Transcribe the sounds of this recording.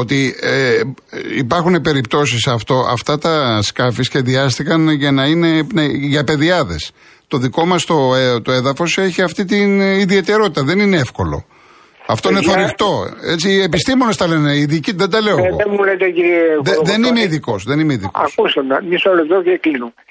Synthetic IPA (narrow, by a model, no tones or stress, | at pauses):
ot̪ie | ipɐɾxune̞pe̞ɾip̚t̪o̞s̬isɐft̪o̞ʔɐ̰ft̪ɐt̪ɐskɐfisçe̞ðiɐst̪ikɐnʝɐnɐine̞nɐʝɐpe̞ðiɐðe̞̰s | t̪o̞ðiko̞mɐst̪o̞et̪oe̞ðɐfo̞se̞çiɐft̪it̪iniðie̞t̪e̞ɾo̞t̪it̪ɐðe̞nineefko̞lo̞̰ | ɐft̪o̞ineθoɾixt̪o̞e̞t͡siepist̪imo̞nest̪ɐle̞neiðiciðed̪ɐle̞oeɣoemulet̪eciɾeðeðe̞nimeiðiko̞sðe̞nimeiðikoɐ̰skusɐmɐmisoloeðotieklinume